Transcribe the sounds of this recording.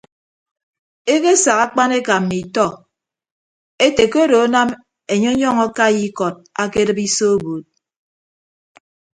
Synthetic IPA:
e˦ke˦sa˨ka˦k͡pa˦ne˦ka˨mːi˨tɔ˦ | e˦te˨ko˦ɾo˨˦na˦m | e˨ɲɔ˦ɲɔ˦ŋɔ˦ka˦ji˦kɔ˨d̚a˦ke˦ɾɨ˦pi˦so˦boː˨t̚

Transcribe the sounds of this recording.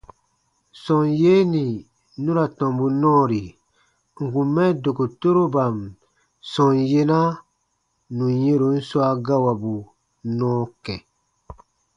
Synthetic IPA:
sɔ̃˨nje˦nĩ˨ | nũ˦ɾa˨tɔ̃˨mbu˨nɔ̃ː˦˨ɾi˨ | ŋ̩˨kũ˨mɛ˦do˨ko˨to˦ɾo˦ba˨m | sɔ̃˨nje˦na˦ | nũ˨jẽ˦ɾo˨n̩˦swa˦ɡa˦wa˨bu˨ | nɔ̃ː˦kɛ˨

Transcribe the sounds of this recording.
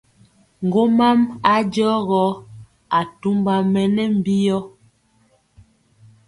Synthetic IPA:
ŋ̩˨ɡo˦ma˦ma˦d͡ʒɔ˦ɣɔ˨˦ | a˨tu˦mba˨mɛ˨nɛ˦m̩˦˨bi˦jɔ˦

